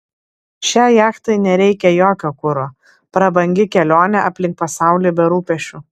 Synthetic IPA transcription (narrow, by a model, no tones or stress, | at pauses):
ʃʲæːjæːkt̪ɐɪnʲɛɾʲɛɪkʲɛjoːkʲoːkʊɾoː | pɾɐbɐŋʲɡʲɪkʲɛlʲoːnʲɛɐpʲlʲɪŋk̚pɐsɑˑʊlʲiːbʲɛɾuːpʲɛʃʲt͡ʃʲu